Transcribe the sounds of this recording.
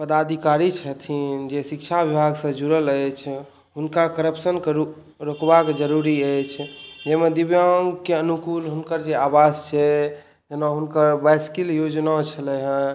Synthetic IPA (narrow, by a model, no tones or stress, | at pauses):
pəd̪ad̪ʱikaɾit͡ʃʰət̪ʰind͡ʒesik̚t͡ʃʰabibʱaɡsə̃d͡ʒuɾələjt͡ʃʰ | ɦunkakəɾəpsənkɾ | ɾokbakd͡ʒəɾuɾiəjt͡ʃʰd͡ʒemed̪ibjaŋkeənukulɦunkəɾd͡ʒeabast͡ʃʰɛ | d͡ʒenaɦunkəɾbaskiljod͡ʒnat͡ʃʰəlɛɦə̃